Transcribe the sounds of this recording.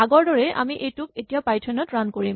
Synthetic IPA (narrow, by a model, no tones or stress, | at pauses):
aɡɔɹdɔɹɛʔa̰miʔejtuk̚etijapajtʰɔnɔtɹankoɹim